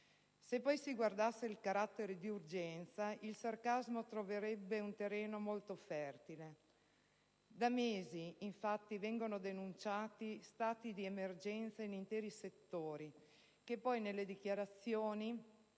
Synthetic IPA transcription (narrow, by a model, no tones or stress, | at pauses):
sepːɔjsiɡward̪asːeilkaɾat̪ːeɾed̪iurd͡ʒɛnt̪sailsarkazmot̪ɾoveɾɛbːeunt̪erːɛːnomolt̪ofɛrt̪ile | d̪ameːziːɱfat̪ːivɛŋɡonod̪enunt͡ʃaːt̪ist̪aːt̪id̪iemerd͡ʒɛnt̪sainint̪ɛːɾiset̪ːoːɾi | kepːɔjnelːed̪ik̟jaɾat̪sːjoːni